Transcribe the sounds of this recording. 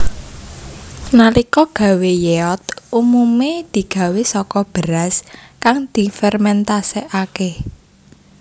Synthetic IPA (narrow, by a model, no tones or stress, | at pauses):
nalikɔɡ̥ä̤wejeɔt̪umumed̪̥i̤ɡ̥ä̤wesɔkɔb̥əɾaskaŋd̪̥i̤fɛrmɛnt̪aseʔake